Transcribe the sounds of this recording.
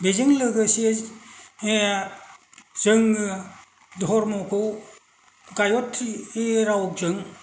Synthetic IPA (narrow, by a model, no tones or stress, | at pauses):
bezɯŋlɯɡɯsi | e | zɯŋɯ | dɔɦɔɾmɔkʰow | ɡajɔtʰieɾawk̚zɯŋ